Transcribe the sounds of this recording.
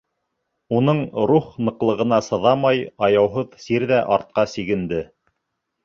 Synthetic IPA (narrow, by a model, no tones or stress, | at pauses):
unɤɴɾuχnɤ̆qlˠɤ̆ʁɤ̆nɑsɤ̆ðɑmɑjɑjɑwɦɤðsiɾðæʔɑɾt̪̚qɑsiɡɘ̆nd̪ɘ